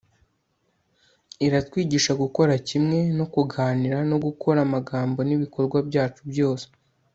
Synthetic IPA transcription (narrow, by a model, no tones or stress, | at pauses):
iɾatwiːɟiːʃaɡuko̞ɾacimŋe̞no̞kuɡaːniɾano̞ɡukʰo̞ɾamaɡaːmbo̞niβiko̞ɾɡwabjaːt͡ʃubjo̞ːse̥